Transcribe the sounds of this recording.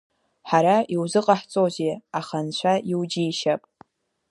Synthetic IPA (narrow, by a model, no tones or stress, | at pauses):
ħaɾaiwzɨqʼaħt͡sʼoziaχant͡ɕʷʰaiwd͡ʒiːʃapʼ